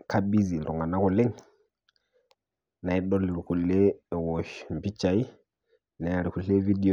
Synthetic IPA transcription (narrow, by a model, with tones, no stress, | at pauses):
ka˦bi˦zi˨lṵ˨ŋa˨na˦kɔ˨lɛ˦ŋ | na˨i˦ɗɔ˦li˨ɾi˨ku˨le˦˨wɔ˨ʃm̩˨pi˦t͡ʃa˨i˦ | na˨ja˨ɾi˨ku˨ɬe˦vi˦di˨